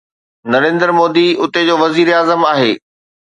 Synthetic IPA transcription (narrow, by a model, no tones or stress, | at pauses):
nɐɾẽːnd̪əɾmoːd̪iʊt̪ed͡ʑoːʋɐziːɾeaːzəmaːɦeː